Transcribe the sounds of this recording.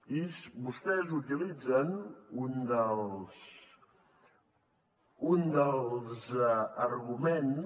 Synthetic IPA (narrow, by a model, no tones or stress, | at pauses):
isβust̪ɛzut̪ilid͡zənund̪əlˠs | und̪əlˠzərɣumen